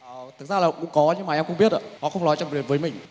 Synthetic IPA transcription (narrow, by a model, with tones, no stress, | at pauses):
ʔəː˨˩t̪ʰɨ˨˩t̚zaː˧laː˨˩kʊ̰˧˥ŋ͡mkɔ˨˦ɲɨ˧ŋmaː˨˩ʔɛ˧mkʊ̰˧ŋ͡mɓi˦˥ət̚ʔaː˧˨hɔ̰˧˨xə˧wŋ͡mnɔ˨˦jt͡ɕɔ˧˩vi˨˩vəː˨˦jmï˨˩ŋ̟